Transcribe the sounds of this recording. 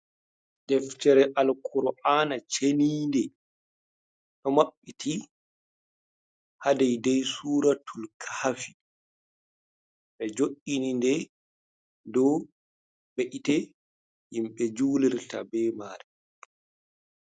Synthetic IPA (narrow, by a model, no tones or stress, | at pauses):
dɛftɛɾɛʔalkʰuɾɔʔanat͡ʃeniːndɛ | ɗɔmaɓːitʰi | hadɛjdɛjsuːɾatʰulkʰḁhafi | ɓɛd͡ʒoʔinindɛ | dɔ | beʔitɛ | himɓɛd͡ʒuːlɛɾta̰bɛːmaːɾɛ